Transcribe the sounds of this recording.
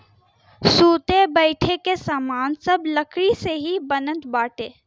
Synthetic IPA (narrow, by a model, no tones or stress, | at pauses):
suːt̪ebəɪʈʰekesaːmaːnsɐbləkʰɾiseɦibənə̃nt̪baːʈeː